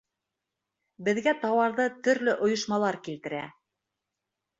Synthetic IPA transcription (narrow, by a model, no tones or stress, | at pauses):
bɘ̆ðɡæt̪ɑwɑɾðɤt̪ɵ̆ɾlɵʔŏjŏʃmɑlˠɑɾkilt̪ɘ̆ɾæ